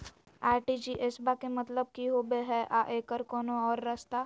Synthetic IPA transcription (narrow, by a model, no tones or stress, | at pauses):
aːʈid͡ʒiʔesbakemɐt̪ləb̚kiɦoːbeɦɛʔaʔeːkəɾkɔːnoɔːɾːɐst̪aː